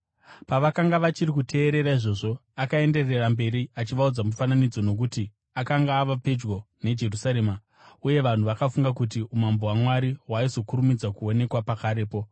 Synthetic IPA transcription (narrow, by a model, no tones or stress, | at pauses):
paʋakaŋɡaʋat͡ʃirikutʰe̞ːɾe̞ɾaiʐo̞ːʐo̞akae̞nde̞re̞rambe̞ɾiat͡ʃiʋaud͡zamufananid͡zo̞no̞k̬uti | akaŋɡaːʋape̞d͡ʒɡo̞ | ne̞d͡ʒe̞rusaɾe̞ːma | uje̞ʋan̤uʋakafuŋɡakut̬iumambowamwaɾiwaizo̞kuɾumid͡zakuo̞ne̞kwapakaɾe̞ːpo̞